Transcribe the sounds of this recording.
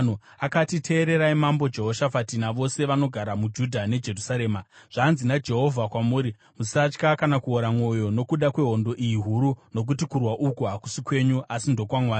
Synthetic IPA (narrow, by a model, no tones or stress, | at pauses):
nuakatitʰe̞ːɾe̞ɾaimambo̞d͡ʒe̞ɦo̞ʃafatinaʋo̞se̞ʋano̞ɡʱaɾamud͡ʒudʱane̞d͡ʒe̞rusaɾe̞ːmaʐ̥aːnzinad͡ʒe̞ɦo̞vʱakwamuːɾi | musat͡ʃkakanakuoɾamwo̞jo̞no̞kuɗakwe̞ɦo̞ndo̞ʔijiɦuɾuno̞k̬utikurwaʔukuɦaku̥sikwe̞ːɲuʔasindo̞kwamwaː